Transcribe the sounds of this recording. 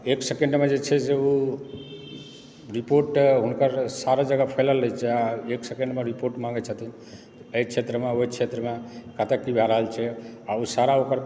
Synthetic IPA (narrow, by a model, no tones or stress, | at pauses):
eksekeɳɖmed͡ʒet͡ʃʰɛseu | ɾipoɾʈɦunkəɾsaɾad͡ʒəɡapʰəjləlːət͡ʃʰɛaeksekeɳɖmeɾipoɾʈmãŋɡɛt͡ʃʰət̪ini | t̪əjt͡ʃʰet̪ɾəmeoit͡ʃʰet̪ɾəmekət̪əkːibʱaɾəɦəlt͡ʃʰɛausaɾaokəɾ